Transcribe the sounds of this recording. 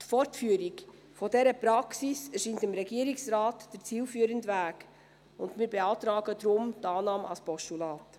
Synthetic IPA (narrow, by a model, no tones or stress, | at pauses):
tfɔɾtfyːəɾiɡ | fɔdɛɾəpɾɑksisɛɾʃiːntɪmɾɛɡiːəɾiksɾɑːtd̥əɾt͡siːlfyːəɾəndʋæːɡ | ʊndmiːɾbeɑːtɾɑːɡədɾʊmtɑːnɑːmɑ̰spɔʃtulɑːt